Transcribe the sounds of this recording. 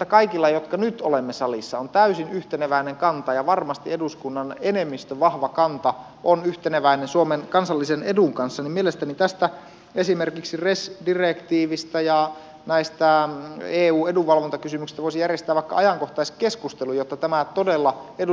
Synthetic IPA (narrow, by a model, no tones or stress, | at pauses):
t̪ːækɑikilːɑjot̪kɑnyt̪olemːesɑlisːɑont̪æysinyht̪enæʋæineŋkɑnt̪ɑjɑʋɑrmɑst̪ieduskunːɑnenemːist̪øʋʋɑhʋɑkɑnt̪ɑ | ʔonyht̪enæʋæinensuomenkɑnsɑlːiseneduŋkɑnsːɑnimmielest̪ænit̪æst̪æ | esimerkiksiresdirekt̪iːʋist̪æjɑ | næist̪æeːuːeduʋɑlʋont̪ɑkysymyksi̥st̪æʋoˑisijærjest̪æːʋɑˑikːɑ̰ʔɑjɑŋkoht̪ɑiskeskust̪elujot̪ːɑt̪æmæt̪odelːɑedu